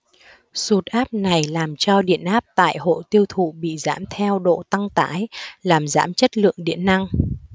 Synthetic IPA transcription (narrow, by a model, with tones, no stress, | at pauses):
su˨˩t̚ʔaː˦˥p̚na˨˩jlaː˨˩mt͡ɕɔ˧ɗḭ˧˨ənʔaː˦˥p̚t̪a̰ː˧˨jho̰˧˨t̪i˧əwt̪ʰṵ˧˨ɓḭ˧˨za̰ː˧˦mt̪ʰɛ˧wɗo̰˧˨t̪a˧ŋt̪aː˧˨˦jlaː˨˩mza̰ː˨˦mt͡ɕə˦˥t̚lɨ̰˧˨əŋɗḭ˧˨ənːa˧ŋ